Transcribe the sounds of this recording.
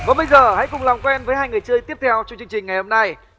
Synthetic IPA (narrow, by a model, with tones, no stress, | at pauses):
vaː˨˩ɓə˧jzəː˨˩ha̰˧˥jkʊ˨˩ŋ͡mlaː˨˩ŋ͡mkwɛ˧nvəː˨˦jhaː˧jŋɨ˨˩əjt͡ɕɨ˧jt̪i˦˥əp̚t̪ʰɛ˧wt͡ɕɔ˧ŋ͡mt͡ɕɨ˧ŋt͡ɕï˨˩ŋ̟ŋa˨˩jho˧mna˧j